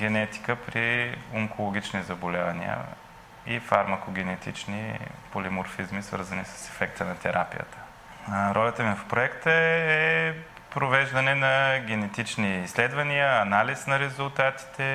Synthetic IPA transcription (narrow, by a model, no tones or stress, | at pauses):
ɡʲɛnɛt̪i̥kəpɾioŋkolˠoɡ̟ʲit͡ʃnizɐbolʲavɐnḭə̰ | ifaɾmɐkoɡʲɛnɛt̪ʰḭt͡ʃnḭpolʲimoɾfizmisvə̰ɾzənisə̥sɛ̥fɛkt̪ənɐt̪ɛɾʔa̰pḭjə̰t̪ʰə̥ | ɾʔɔlʲɐt̪əmifpɾoɛkt̪əɛ | pɾovɛʒd̪ɐnɛnɐɡʲɛnɛt̪it͡ʃniːslɛd̪vɐniəːnalisnɐɾɛzulˠt̪at̪i̥t̪ɛ